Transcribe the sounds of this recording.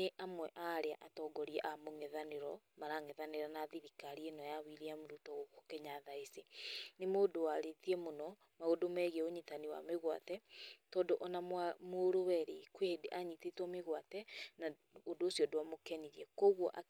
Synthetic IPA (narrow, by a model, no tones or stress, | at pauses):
neʔamwɛʔaɾea̰ʔatɔɡɔɾiɛʔamoŋɛðaneɾɔmaɾaŋɛðaneɾanaðiɾikaɾienɔjawiɾiamoɾutɔokokɛɲaðaesenemodowaɾetiɛmonɔ | maɣodomɛɣɛoɲitaniwa̰meɣwa̰tɛtɔːndoʔɔnamamoɾowɛɾekwehedeʔaɲitetwɔmeɣwatɛna | odoːsiɔdowamokɛniɾiɛkoɣwɔʔa